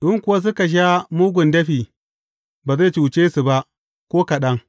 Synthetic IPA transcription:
ɗʊ˦ŋkʷʊ˨wa˦s̬ʊ˦ka˨ʃ̬a˦muː˦ɡʷʊ˨ndɐ˦ɸiː˨ | baː˨ze˦˨t͡ʃi˨wʊ˨t͡ʃeː˦su˨ba˦ʔ | kʷoː˦kɐ˨ɗɐ˦ŋ

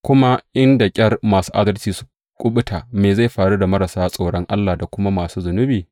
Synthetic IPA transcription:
kʷʊ˦ma˦ʔɪ˦nda˨kʲʼɐ˦rmaː˨su̥ː˦ʔa˦dɐ˦lt͡ʃiː˨su̥˦ | kʷʼʊ˦ɓʊ˦tʰa˨meː˨za˦˨jɸaː˨ɽu˦da˨mɐ˦ɾa˨saː˦sʼoː˦˨ɽɔ˦ŋʔa˦lːaː˨da˨kʷʊ˦ma˦maː˨suː˦zʊ˨nʊ˦biː˨

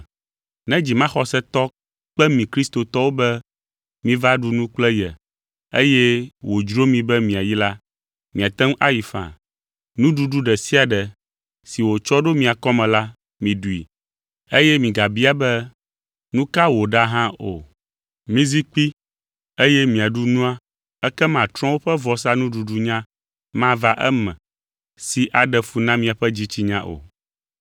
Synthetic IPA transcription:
nɛ̃˦d͡ʑi˨mã˦xɔ˨sɛ˦t̪ɔ˦ | k͡pɛ˦mĩ˨kɾi˦st̪o˨t̪ɔ˦wo˦bɛ˦ | mĩ˦va˦ɖu˨nũ˦k͡plɛ˦jɛ˨ | ḛ˦jɛ˦wo˨d͡ʒɾo˦mĩ˨bɛ˦mĩ˨a˨ji˦la˦ | mĩ˨a˨t̪ɛ˦ŋ˦ʔa˦ji˨fã̰˨ | nũ˦ɖu˦ɖu˦ɖɛ˨si˦a˨ɖɛ˨ | si˨wo˨t͡ʃɔ˦ɖo˦mĩ˨a˨kɔ˦mɛ̃˨la˦ | mĩ˨ɖu˨ḭ˨ | e˦jɛ˦mĩ˨ɡa˨bi˦a˨bɛ˦ | nũ˦ka˦wo˨ɖa˦ɦã˦o̰˨ | mĩ˦zi˦k͡pi˦ | e˦jɛ˦mĩ˨a˨ɖu˦nũ˦a˦ | ɛ˦kɛ˦mã˨t̪ɾɔ̃˦wo˦ɸɛ˦vɔ˨s̬a˦nũ˦ɖu˨ɖu˦ɲã˦ | mã˦va˦ʔɛ˦mɛ̰̃˨ | si˨ʔa˨ɖɛ˨fu˨nã˦mĩ˦a˨ɸɛ˦d͡ʑi˦t͡ɕi˦ɲã˦ʔo̰˨

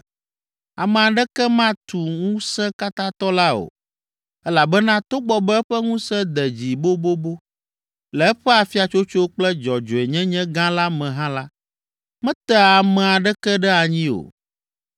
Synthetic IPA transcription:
a˨mɛ̃˨a˨ɖɛ˦kɛ˦mã˦t̪u˨ŋũ˦sɛ̃˦ka˦t̪ã˦t̪ɔ˦la˦o̰˨ | ɛ˦la˨bɛ˦nã˦t̪o˦ɡ͡bɔ˦bɛ˦ɛ˦ɸɛ˦ŋũ˦sɛ̃˦d̪ɛ˨d͡ʑi˨bo˦bo˦bo˦ | lɛ˨ɛ˦ɸɛ˦a˨fi˦a˨t͡ʃo˦t͡ʃo˦k͡plɛ˦d͡ʒɔ˨d͡ʒɔ˨ɛ˨ɲɛ̃˦ɲɛ̃˦ɡã˦la˦mɛ̃˨ɦã˦la˦ | mɛ̃˦t̪ɛ˦a˨mɛ̃˨a˨ɖɛ˦kɛ˦ɖɛ˦a˨ɲĩ˦o̰˨

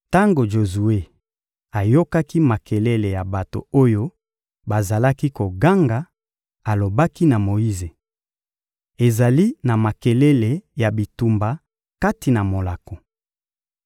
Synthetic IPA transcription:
ta˦ŋɡo˨ʒo˨zu˨we˦ | a˨jo˦ka˦ki˦ma˨ke˨lɛ˦le˨ja˨ba˨to̰˨o˦jo˦ | ba˨za˨la˦ki˦ko˨ɡa˦ŋɡa˨ | a˨lo˨ba˦ki˦na˨mo˨i˦ze˨ | e˨za˨li˦na˨ma˨ke˨lɛ˦le˨ja˨bi˨tu˨mba˨ | ka˦ti˨na˨mo˨la˨ko˨

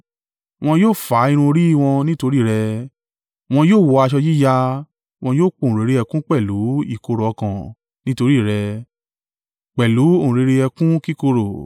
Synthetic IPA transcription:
w̃ɔ̃˧joː˦˨fa˨˦i˧ɾ̃ũ˧o˧ɾi˦i˦˧w̃ɔ̃˧nĩ˦to˧ɾi˦˨ɾɛ˧ | w̃ɔ̃˧joː˦˨wɔ˧a˧ʃ̬ɔ˧ji˦ja˧ | w̃ɔ̃˧joː˦˨k͡põ˧˨ɾe˨˦ɾe˧ɛ˧kũ˦k͡pɛ˦˨lu˨˦i˦˨ko˧ɾɔ˨˧kã˨ | nĩ˦to˧ɾi˦˨ɾɛ˧ | k͡pɛ˨lu˨˦o˦˨ũ˨ɾe˨˧ɾe˧ɛ˧kũ˦ki˦ko˧ɾo˨

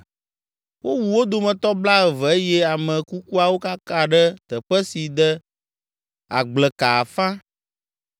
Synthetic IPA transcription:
wʔo˦wu˨wo˦d̪o˨mɛ̃˨t̪ɔ˦bla˦ɛ˨vɛ˨e˦jɛ˦a˨mɛ̃˨ku˦ku˦a˨wo˦ka˦ka˦ɖɛ˦t̪ə˨ɸɛ˦si˨d̪ɛ˦ | a̰˨ɡ͡blɛ˨ka˨fã˦

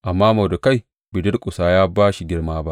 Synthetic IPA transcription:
ʔa˨mːaː˦ma˨da˨ka˦j | bɪ˨dɪ˦rkʷʼʊ˨saː˦jaː˦baː˦ʃi˨˦ɡʲɪ˦rmaː˦ba˦ʔ

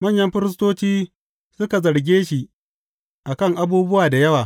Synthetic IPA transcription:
mɐ˦˨ɲjɐ˦mɸɪ˦ɾɪ˦s̬toː˦t͡ʃiː˦ | sʊ˦ka˨zɐ˨ɽɡʲeː˦ʃi˨ | ʔa˨kɐ˦˨ŋʔa˦buː˦bʊ˦waː˨da˨jɐ˦waː˨

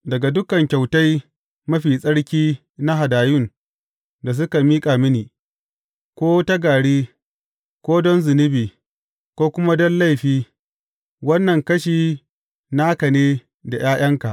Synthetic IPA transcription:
dɐ˨ɡa˨dʊ˦kɐ˨ŋkʲa˨wta˦j | mɐ˦ɸiː˨sʼɐ˦ɽkʲiː˦ | na˦ɦa˨daː˨jʊ˦˨n | da˨s̬ʊ˦ka˨miː˦kʼaː˨mɪ˦niː˨ | kʷoː˦tɐ˦ɡaː˨ɽiː˦ | kʷoː˦dɔ˦nzɪ˨nɪ˦biː˨ | kʷoː˦kʷʊ˦ma˦dɔ˦nla˦˨jɸiː˦ | wɐ˦nːɐ˨ŋkɐ˦ʃiː˨ | naː˦kɐ˨neː˦ | da˨j̰aː˦j̰ɐ˦ŋka˨ʔ

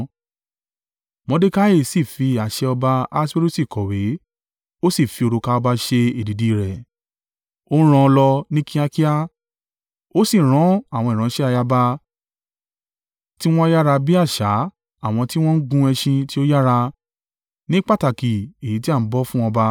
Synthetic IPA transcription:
mɔ̃˧˦de˦ka˦e˦˨si˦˨fi˧a˨ʃɛ˧ɔ˧ba˧a˧˦se˦ɾu˦si˦˨kɔ˨we˨˦ | o˦si˦˨fi˨˧o˧ɾo˧ka˧ɔ˧ba˧ʃe˧e˨di˨di˧˨ɾɛ˨ | õ˦ɾ̃ɔ̃˧lɔ˧nĩ˦kĩ˦a˧ki˦a˦ | o˦si˦˨ɾ̃ɔ̃˨˦a˦˨wɔ̃˧ĩ˨ã˨˦ʃɛ˦a˧ja˧ba˧ | ti˦w̃ɔ̃˦ja˦ɾa˧bi˦a˦˨ʃa˨˦ | a˦˨w̃ɔ̃˧ti˦w̃ɔ̃˦n̩˦ɡũ˧˦ɛ˧ʃĩ˧ti˦o˦ja˦ɾa˧ | nĩ˦k͡pa˦˨ta˨ki˨e˨i˨ti˦a˦˨m̩˦bɔ˦fũ˦ɔ̃˧ba˧

